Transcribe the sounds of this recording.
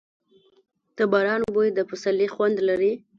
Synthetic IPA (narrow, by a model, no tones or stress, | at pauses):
t̪əbɑɾɑnbojd̪əpʊsalixwand̪laɾi